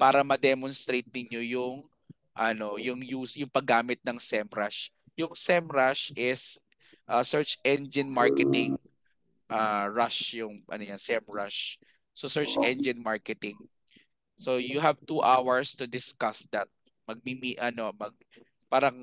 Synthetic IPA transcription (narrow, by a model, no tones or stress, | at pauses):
paːɾɐmɐd̪ɛmɔnst̪ɾejt̪̚nɪɲo̞jʊŋ | ʔɐno̞jʊŋjuːsjʊŋpɐɡːaːmɪt̪̚nɐŋsɛmɾaʃ | jʊŋsɛmɹaʃʔɪs | ʔɐsɛɹt͡ʃʔɛnd͡ʒɪnmaɹkɛt̪ɪŋ | ʔaɹaʃjʊŋʔɐ̰nojansɛmɹaʃ | sosɛɹt͡ʃʔɛnd͡ʒɪnmaɹkɛt̪ɪŋ | sojʊɦɐvt̪uʔawɐɹst̪ʊd̪ɪskɐsd̪ɐt̪̚ | mɐɡ̚mimiʔɐno̞mɐɡ̚ | paːɾɐŋ